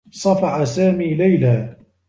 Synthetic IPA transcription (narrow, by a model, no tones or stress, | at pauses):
sˤɑfɑħasaːmiːlajlaː